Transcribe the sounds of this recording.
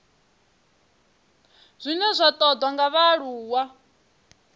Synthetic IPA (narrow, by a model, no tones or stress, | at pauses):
z̥ʷinɛzʷat̪ʼɔd̪waŋɡaβaɺuːwa